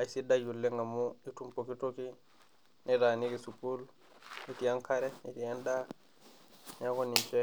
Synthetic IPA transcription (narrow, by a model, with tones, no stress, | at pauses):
a˨i˨si˦da˦d͡ʒu˨lːe˦ŋɡa˨mu˦i˦tu˦mpo˨ki˦to˦ki˦ | ni˦ɾa˨ni˦ki˨supu˦l | i˦ti˨ja˦ŋka˦ɾe˦i˦ti˨ja˦nda˦ | ɲa˦ko˦ni˨nt͡ʃe˦